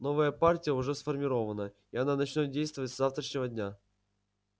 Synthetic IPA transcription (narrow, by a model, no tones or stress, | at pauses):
no̞vəjəpartʲɪjəʊʐɛsfərmʲɪɾo̞vənə | iɐnanɐt͡ɕnʲot̪̚dʲejst̪vəvətʲszaft̪ɾəʂnʲɪvədʲnʲa